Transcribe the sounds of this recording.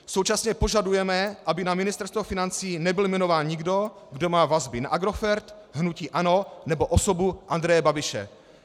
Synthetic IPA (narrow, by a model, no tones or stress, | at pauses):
sowt͡ʃasɲɛpo̞ʒadujɛmɛʔabɪnamɪnɪst̪ɛɾst̪vofɪnant͡siːnɛbɪlmɛnovaːnɲɪɡdo | ɡdo̞maːvazbɪna̰ʔaɡɾo̞fɛɾt̪ | ɦnuciːʔano̞nɛboʔosobuʔand̪ɾɛjɛbabɪʃɛ̰